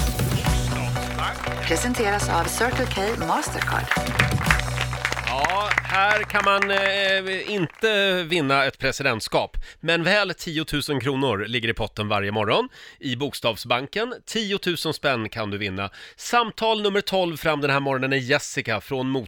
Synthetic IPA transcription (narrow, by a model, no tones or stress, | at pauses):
pʰɾɛsɛnt̪ʰeːɾasa̰vsœɾkəlkʰejmɑːst̪əɾkʰɑ̰ːɖ | jɑːhæːɾkʰanman | ɪnt̪əvɪnːaɛt̪pʰɾɛsɪd̪ɛnt̪skɑːpmɛnvɛːlt̪ʰiːʊt̪ʰʉ̟ːsənkʰɾuːnʊɾlɪɡːəɾɪpʰɔt̪ːənvaɾjəmɔɾɔnɪbʊːkst̪ɑːvsbaŋkənt̪ʰiːʊt̪ʰʉ̟ːsənspɛnːkʰand̪ɵvɪnːa̰samt̪ʰɑːlnɵmːəɾʈ̪ʰɔlvfɾamd̪ɛnhæːɾmɔɾɔnənæjɛsɪkafɾonmuː